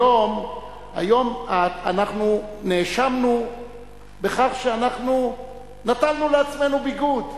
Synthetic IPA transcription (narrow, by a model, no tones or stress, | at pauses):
o̞m | a̰jo̞maanaχnuneːʃamnu | be̞χaχʃeanaχnu | natalnuleat͡sme̞nubiɡud